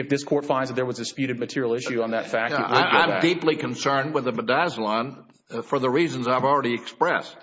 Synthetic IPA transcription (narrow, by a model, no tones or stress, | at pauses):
ɨfðɪskʰɔɹtfãɪ̃ndzðət̪̚ðə˞wʌzdspjʉɾɨd̚mɨtʰɪɹil̩ˠɪʃʉə̃nðɨtfæk̚ja̰ɪãɪ̃mdiplikʰə̃nsɜ̃˞nd̚wɨðəbədæzlɑ̃n | fə˞ðəɹizə̃n̩zaɪvl̩ˠɹɛɾiɨkspɹɛst̚